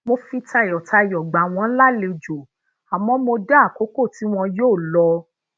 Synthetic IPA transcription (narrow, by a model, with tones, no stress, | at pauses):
mo˧fĩ˧ta˧˨jɔ˨ta˧jɔ˨ɡ͡ba˨w̃ɔ̃˧˦la˦le˧d͡ʒo˨ | a˨mɔ̃˨˦mo˧da˦˨ko˨˦ko˦˨ti˨˦w̃ɔ̃˧joː˦˨lɔ˧